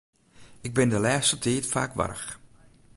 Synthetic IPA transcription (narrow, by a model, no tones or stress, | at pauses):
ɪɡ̚bɪndəlɛːstətʰiːtfa̰ːkʋa̰ɾə̰x